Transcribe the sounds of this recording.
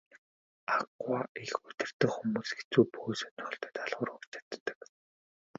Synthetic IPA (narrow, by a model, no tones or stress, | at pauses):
aɡwaixɵt̪ʲɪ̆r̥t̪ɘ̆kxumuːsɡet͡suːpoːsɵnχɔɮt̪ə̥̆t̪aɮʁʊːrʊkt͡ɕʰḁt̪ːə̥̆k